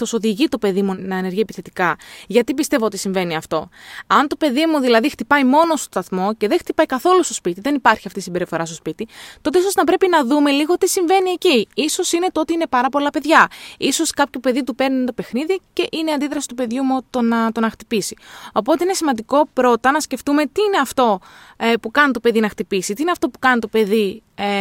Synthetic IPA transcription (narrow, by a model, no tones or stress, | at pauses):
toso̞ðiʝit̪o̞pe̞ðimunɐene̞ɾʝiepiθe̞t̪ikɐʝɐt̪ipist̪e̞voot̪isiɱve̞niɐft̪o̞ɐnt̪o̞pe̞ðimuðilɐðixt̪ipɐjmo̞nost̪ost̪ɐθmo̞ce̞ðext̪ipɐjkɐθo̞lust̪o̞spit̪iðe̞nipɐɾçiɐft̪isimbe̞ɾifo̞ɾɐst̪ospit̪it̪o̞t̪eiso̞znɐpɾe̞pinɐðume̞liɣo̞t̪isiɱve̞nie̞ciiso̞sine̞t̪oot̪iine̞pɐɾɐpo̞lɐpe̞ðʝɐiso̞skɐpço̞pe̞ðit̪̬upe̞ɾnit̪o̞pexniðice̞ʔineɐnd̪iðɾɐsi̥t̪upe̞ðʝumut̪onɐt̪o̞nɐxt̪ipisio̞po̞t̪e̞ine̞simɐnd̪iko̞pɾo̞t̪ɐnɐsce̞ft̪ume̞t̪iine̞ɐft̪o̞epukɐnt̪o̞pe̞ðinɐxt̪ipisit̪iineɐft̪o̞pu̥kɐnit̪o̞pe̞ðie